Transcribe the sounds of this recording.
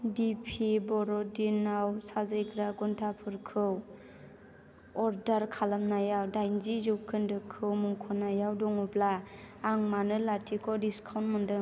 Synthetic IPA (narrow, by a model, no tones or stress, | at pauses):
dipʰibɔɾɔdinawsazajkʰɾaɡuntʰapʰɯɾkʰɯw | ɔɾdaɾkʰalamnajawdajnzizɯwkʰɯndɯkʰːɯwmuŋkʰɔnajawdɔŋɔblaːŋmanɯlatʰikʰɔdiskʰawnmɯndɯ